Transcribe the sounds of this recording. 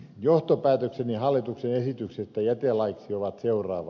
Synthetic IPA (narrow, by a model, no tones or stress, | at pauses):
joht̪opæːt̪øksenihɑlːit̪uksenesit̪yksest̪ːæjæt̪elɑiksioʋɑt̪seurˑɑːʋɑ